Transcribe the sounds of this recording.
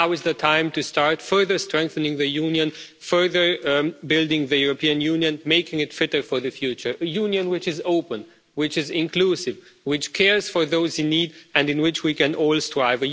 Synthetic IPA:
aʊɨzðətʰãɪ̃mtɨstɑɹtfɜ˞ðə˞stɹ̥ɛ̃ŋk̚θɨ̃nɪ̃ŋðɨjũnjɨ̃n | fɜ˞ðə˞bɪlˠdɪ̃ŋðɨjuɹopʰiɨ̃njũnjɨ̃nmeɪkɪ̃ŋɨtfɪɾə˞fə˞ðɨfjʉt͡ʃə˞əjũnjɨ̃nwɪt͡ʃɪzoʊpə̃n | wɪt͡ʃɪzɪ̃nkʰl̥usɪvwɪt͡ʃkʰɛɹz̥fə˞ðoʊzɪ̃nːidɨ̃ndɨ̃nwɪt͡ʃwikɨ̃nɔlˠstɹ̥aɪvɨ

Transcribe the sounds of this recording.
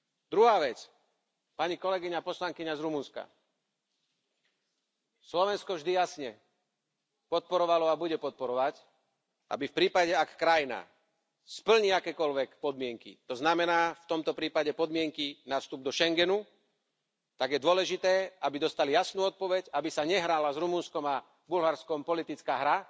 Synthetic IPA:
d̪ɾuɦaːʋɛt͡s | paɲikɔlɛɡiɲapɔslaŋkiɲazɾumunska̰ | slɔʋɛnskɔvʒd̪ijasɲɛ | pɔt̪̚pɔɾɔʋalɔabuɟɛpɔt̪̚pɔɾɔʋac | ʔa̰bifpɾiːpaɟɛakkɾajina̰ | spl̩ɲiakɛːkɔlʋɛkpɔd̪mɪɛŋkḭt̪ɔznamɛnaːft̪ɔmt̪ɔpɾiːpaɟɛpɔd̪mɪɛŋkinafst̪ub̚d̪ɔʃɛŋɡɛnu | t̪aɡjɛd̪ʊɔlɛʒit̪ɛːabid̪ɔst̪alijasnuːɔt̪̚pɔʋɛcabisaɲɛɦɾaːlazɾumunskɔma | bulɦaɾskɔmpɔlit̪it͡skaːɦɾa

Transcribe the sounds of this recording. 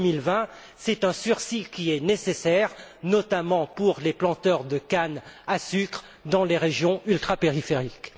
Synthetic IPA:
milvɛ̃ | sɛt̪ɛ̃syʁsikʲiɛnesesɛʁnɔt̪amɑ̃puʁleplɑ̃t̪œʁd̪əkanasykχ | d̪ɑ̃leʁeʒjɔ̃ylt̪χapeʁifeʁik

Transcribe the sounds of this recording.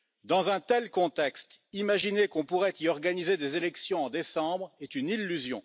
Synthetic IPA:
d̪ɑ̃zɛ̃t̪ɛlkɔ̃t̪ɛkst̪imaʒinekɔ̃puʁɛt̪iɔʁɡanized̪ezelɛksjɔ̃ɑ̃d̪esɑ̃bʁet̪ynilːyzjɔ̰̃

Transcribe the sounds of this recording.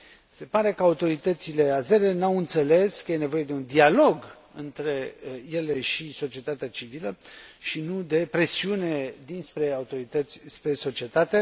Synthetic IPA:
se̞paɾe̞kəaut̪o̞ɾit̪ət̪sile̞aze̞ɾenawɨnt̪se̞le̞skəje̞ne̞vo̞je̞d̪eund̪ialo̞ɡ | ɨnt̪ɾe̞je̞le̞ʃiso̞t͡ʃie̞t̪at̪eat͡ʃiviləʃinud̪e̞pɾe̞siune̞d̪inspɾe̞aut̪o̞ɾit̪ət̪sʲspɾe̞so̞t͡ʃie̞t̪at̪e

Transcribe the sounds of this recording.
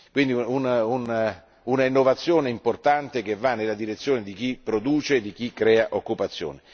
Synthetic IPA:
kwind̪iunun | unainːovat̪sːjoːneimport̪ant̪ek̟evːanːelad̪iɾet̪sːjoːned̪ik̟ipːɾod̪uːt͡ʃed̪ik̟ikːɾɛːaʔokːupat̪sːjo̰ːne

